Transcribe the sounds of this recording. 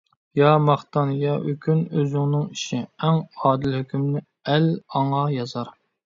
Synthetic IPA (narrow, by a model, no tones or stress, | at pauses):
jɑmɑχt̪ɑnjɑʔøkʲʰynøzɪŋnɨŋiʃiɛŋɑːd̪ɪlhøkʲymnɪ | ɛlɑŋɑjɑzɑɾ